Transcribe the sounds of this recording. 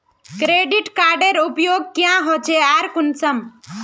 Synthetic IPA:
kɾeɖiʈkaːɾɖeɾupjoːɡ̚kjãɦot͡ʃʰeaːɾkʊnsəm

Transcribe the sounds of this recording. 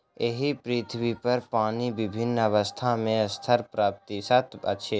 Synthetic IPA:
eɦipɾɪt̪ʰbipɐɾpaːnibɪbʱɪnːɐʋəst̪ʰamẽɐst̪ʰəɾpɾaːp̚t̪isat̪ʰə̰ʃʰeː

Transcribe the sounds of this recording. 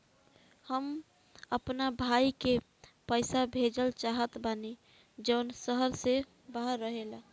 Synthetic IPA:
həm | əpnabʱaike | pəjsabʱed͡ʒəlt͡ʃaɦət̪bani | d͡ʒəʊnsəɦəɾse | baɦəɾːəɦela

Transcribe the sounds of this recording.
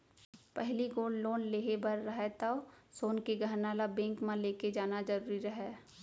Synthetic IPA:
pɛɦliɡoːlloːnleːɦebɐɾːɐɦɛt̪aosoːnkeɡʱəɾnaːlabẽːŋkmãleːked͡ʒaːnad͡ʒɐɾuːɾiɾɐɦɛː

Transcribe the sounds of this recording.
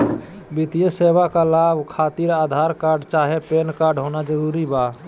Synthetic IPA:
bit̪ijəsebakalabkʰaːt̪iɾaːd̪ʱaɾkaɾɖt͡ʃaɦepenkaɾɖɦonad͡ʒəɾuɾiba

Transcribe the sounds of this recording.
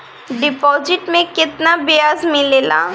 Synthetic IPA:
ɖɪpɔːzɪʈmẽkɪt̪nabɪjaːzmɪleːla̰ː

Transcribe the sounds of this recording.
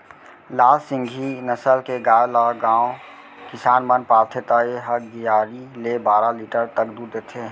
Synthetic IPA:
laːlsɪ̃ŋɡʱinəsəlkeɡaːjlaɡãːõ | kɪsaːnmənpaːlt̪ʰet̪aeɦəɾd̪ijaːɾilebaːɾaliːʈəɾt̪əkd̪uːɾd̪eːt̪ʰe

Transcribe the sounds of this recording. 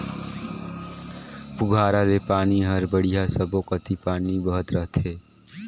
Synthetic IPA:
pʊɡʱaːɾad̪epaːniɦəɾbəɽijasəbokət̪ipaːnibəɦət̪ɾəɦt̪ʰɦeː

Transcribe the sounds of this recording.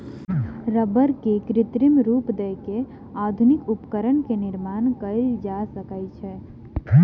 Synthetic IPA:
ɾəbəɾkekɾɪt̪ɾimɾupd̪əke | ad̪ʱunikupkəɾənkenɪɾmankəɪld͡ʒasəkəjt͡ʃʰɛ

